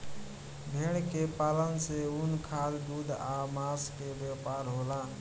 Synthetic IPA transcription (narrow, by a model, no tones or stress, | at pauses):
bʱeːɽkepaːlənseunkʰaːld̪uːd̪amaːskebjaːpaːɾɦoːlaː